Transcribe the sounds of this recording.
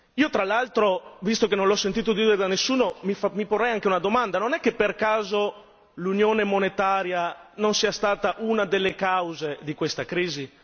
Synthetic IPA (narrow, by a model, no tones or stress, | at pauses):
iːot̪ɾalalt̪ɾovist̪okenːonlɔsːent̪iːt̪od̪iːd̪eɾed̪anesːuːnomimiporːɛjaŋkeunad̪omand̪anonɛkːepːerkaːzo | lunjoːnemonet̪aːɾjanonsiːast̪aːt̪aʔunad̪elːekawzed̪ikwest̪akɾiːzi